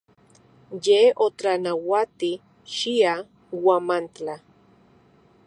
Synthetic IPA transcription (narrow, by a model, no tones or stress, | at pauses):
jeot͡ɬanawat̪i | ʃia | wamant͡ɬa